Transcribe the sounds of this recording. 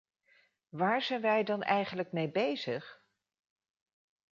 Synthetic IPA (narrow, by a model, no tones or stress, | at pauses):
ʋaːɹz̥ɛjnʋɛjdɑnʔɛjχənləkmejbejz̥əχ